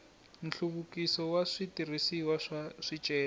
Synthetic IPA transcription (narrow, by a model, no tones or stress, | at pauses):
n̩ɬuβukisɔwaʂitirisiwaʂaʂit͡ʃʼɛːa